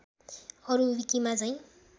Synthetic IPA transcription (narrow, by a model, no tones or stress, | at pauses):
ʌɾuwikimat͡saĩ